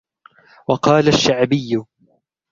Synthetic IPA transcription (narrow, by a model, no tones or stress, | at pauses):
wɑqɑːlaʃːaʕbɪjːʊ